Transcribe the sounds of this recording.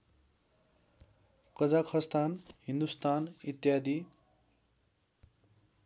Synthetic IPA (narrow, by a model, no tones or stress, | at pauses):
kʌd͡zakʰʌst̪anhind̪ust̪anit̪jad̪i